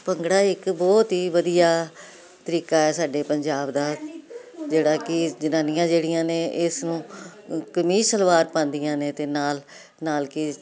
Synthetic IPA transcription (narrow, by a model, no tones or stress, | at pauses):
pəŋɡɽaːɪkbɔːt̪ɦiːʋəd̪ijaː | t̪əɾiːkaːɛːsaːɖeːpəɲd͡ʒaːbd̪aː | d͡ʒeːɽaːkɪd͡ʒənãːnɪjãːd͡ʒeːɽɪjãːneːʔɪsnũːkəmiːsəlʋaːɾpãːnd̪ɪjãːnẽːt̪eːnaːl | naːlkɪ